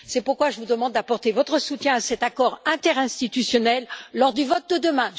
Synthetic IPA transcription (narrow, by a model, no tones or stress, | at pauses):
sɛpuʁkwaʒəvud̪əmɑ̃d̪̚d̪apɔʁt̪evɔt̪χəsut̪jɛ̃asɛt̪akɔʁɛ̃t̪ɛʁɛ̃st̪it̪ysjɔnɛlːɔʁd̪yvɔt̪̚d̪əd̪əmɛ̃